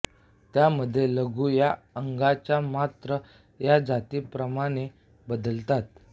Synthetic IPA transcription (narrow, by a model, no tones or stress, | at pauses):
t̪jaməd̪ʱːjeləɡuːja | əŋɡat͡ɕjamat̪ɾə | jad͡zat̪iːpɾəmaɽ̃e | bəd̪əlt̪at̪̚